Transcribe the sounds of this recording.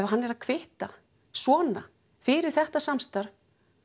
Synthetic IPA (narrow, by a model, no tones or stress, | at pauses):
ɛvaɦanːɛɾaðkʰvɪht̪a | svɔːna | fɪɾɪɾ̥θɛht̪asamst̪aɾ̥